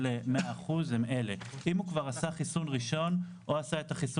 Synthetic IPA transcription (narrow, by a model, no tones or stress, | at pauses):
lemeaaχuzemele̞ʔimhukvaʁasaχisunʁiʃo̞n | ʔoasaetaχisu